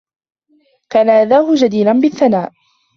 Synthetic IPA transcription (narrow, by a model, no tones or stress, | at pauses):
kaːnaʔaðaːhʊd͡ʒad̪iːlanbɪθːanaːʔ